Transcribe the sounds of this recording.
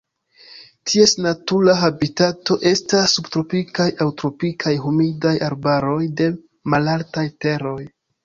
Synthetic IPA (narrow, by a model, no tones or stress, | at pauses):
tʰie̞snatuɾaɦabitato̞ʔe̞stasːubtɾo̞pikajawtɾo̞pikʰajɦumidajaɾbaɾo̞jde̞ | malaltajte̞ɾo̞j